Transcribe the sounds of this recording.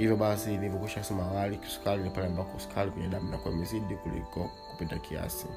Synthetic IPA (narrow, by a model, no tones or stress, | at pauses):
hivjɔɓasiːnivjɔkiʃakusɛmawaliki̥su̥kalilipanɛambakɔsu̥kʰalikwɛɲɛɗaminakuwamiziɗikulḭkɔ | ku̥pitakʰia̰sḭ